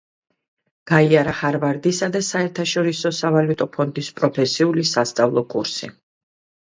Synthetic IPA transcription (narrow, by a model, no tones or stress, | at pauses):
ɡ̥aiaɾaχaɾvaɾd̪isad̪asaɛɾt̪ʰaʃɔɾisɔsavalut̪ʼɔpʰɔnd̪ispʼɾɔpʰɛsiulisast̪sʼavlˠɔkʼṵɾsḭ